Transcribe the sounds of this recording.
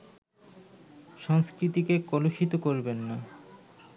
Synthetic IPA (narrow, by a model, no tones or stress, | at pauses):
ʃɔŋskɾit̪ikekɔloʃit̪okoɾbenːa